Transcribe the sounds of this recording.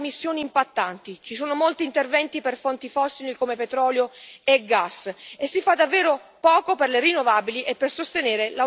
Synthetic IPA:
misːjoːniːmpat̪ːant̪it͡ʃis̬oːnomolt̪iːnt̪ervɛnt̪iperfont̪ifɔsːilikomepet̪ɾɔːljoeɡːasesːifad̪ːavːeːɾopɔːkoperlerinːovaːbiliʔepːersost̪eneːɾela

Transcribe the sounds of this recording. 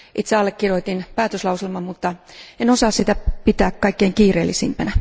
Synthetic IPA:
ʔit̪seɑlːekkirjoit̪inpæːt̪øslɑuselmɑmut̪ːɑenosɑːssit̪æpit̪æːkkɑikːeiŋkiːrḛːlːisimpænæ

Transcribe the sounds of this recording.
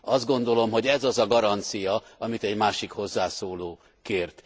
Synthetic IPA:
ɒzd̪ɡo̞nd̪o̞lo̞mɦo̞ɟɛzɒzɒɡɒɾɒnt̪sijɒɒmit̪ɛɟmaːʃikho̞zːaːsoːloː | keːrt̪

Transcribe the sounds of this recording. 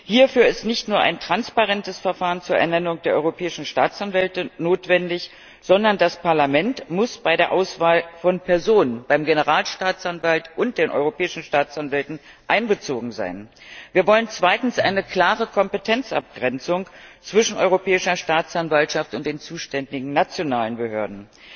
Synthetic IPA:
hiːɐfyːɐɪstnɪçtnuːɐʔa̰ɪntʁ̥anspaʁɛntəsfɛɐfaːʁənt͡suːɐʔɛ̰ɐnɛnʊŋd̥eːɐʔɔʏʁopʰɛːɪʃn̩ʃtaːt͡sʔanvɛltənoːtv̥ɛndɪç | z̥ɔndɐndaspʰaɐlamɛntmʊsb̥aɪɾeːɐʔaʊsv̥aːlfɔnpʰɛɐzoːnənbaɪmɡenəʁaːlʃtaːt͡sanvaltʔʊnt̚d̥eːnʔɔ̰ʏʁopʰɛːɪʃn̩ʃtaːt͡sanvɛltn̩ | ʔaɪnbət͡soːɡŋ̩za̰ɪnviːɐvɔlənt͡sv̥aɪtn̩sʔaɪnəkʰl̥aːʁəkʰɔmpətʰɛnt͡sʔa̰p̚ɡ̥ʁɛnt͡sʊŋt͡sv̥ɪʃn̩ʔɔ̰ʏʁopʰɛːɪʃɐʃtaːt͡sanvaltʃaftʊntd̥eːnt͡suːʃtɛndɪɡŋ̩nat͡sjonaːlənbəhøːɐdn̩

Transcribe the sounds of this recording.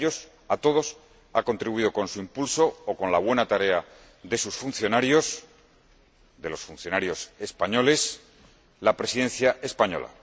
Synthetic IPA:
ʎo̞s | at̪o̞ð̞o̞s | ako̞nt̪ɾiβuiðo̞ko̞nsuimpulso̞ːko̞nlaβwe̞nat̪aɾe̞a | ðe̞susfun̟θjo̞naɾjo̞s | ðe̞lo̞sfun̟θjo̞naɾjo̞se̞spaɲo̞le̞s | lapɾe̞siðẽ̞nθjaʔe̞spaɲo̞̰la̰

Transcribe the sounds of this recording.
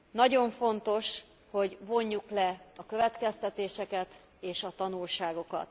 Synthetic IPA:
nɒɟo̞ɱfo̞nt̪o̞ʃ | ho̞ɟvo̞ɲːuklɛɒkøvɛt̪kɛst̪ɛt̪eːʃɛkɛt̪ | eːʃɒt̪ɒnulʃaːɡo̞kɒ̰t̪

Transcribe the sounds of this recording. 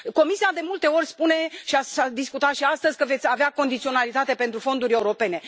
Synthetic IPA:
ko̞misiad̪e̞mult̪e̞o̞rʲspune̞ʃiasad̪iskut̪at̪ʃiast̪əzʲkəve̞t̪sʲaveako̞nd̪it̪sio̞nalit̪at̪e̞pe̞nt̪ɾufo̞nd̪uɾʲe̞uɾo̞pe̞ne

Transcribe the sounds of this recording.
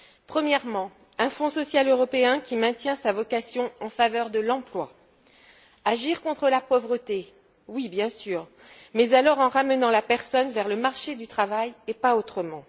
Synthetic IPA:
pχəmjɛʁmɑ̃ | ɛ̃fɔ̃sɔsjaløʁɔpeɛ̃kʲimɛ̃t̪jɛ̃savɔkasjɔ̃ɑ̃favœʁd̪əlɑ̃plwa | aʒiʁkɔ̃t̪χəlapɔvʁət̪e | wibjɛ̃syːʁ | mɛzalɔʁɑ̃ʁamənɑ̃lapɛʁsɔnvɛʁləmaʁʃed̪yt̪χavajepaot̪χəmɑ̃

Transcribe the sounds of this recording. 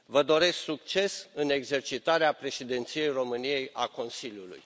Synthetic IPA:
vəd̪o̞ɾe̞sksuk̚t͡ʃe̞sɨne̞ɡze̞rt͡ʃit̪aɾeapɾe̞ʃid̪ent̪sije̞jro̞mɨnije̞ja̰ko̞nsilʲjulṵj

